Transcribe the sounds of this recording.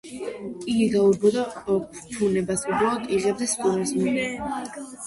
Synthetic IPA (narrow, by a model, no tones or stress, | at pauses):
iɡiɡauɾbɔd̪appʰunɛbasuɡɾɔlɔt̪ʼiʁɛbd̪askʼuɾasminɛ